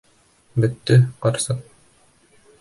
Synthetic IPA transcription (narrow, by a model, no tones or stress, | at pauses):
bɘt̪ːɘqɑɾsɤq̚